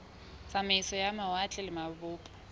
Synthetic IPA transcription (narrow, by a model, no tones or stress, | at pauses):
samɪsɔjamawat͡ɬʼɛlɪmaβʊːpʼḁ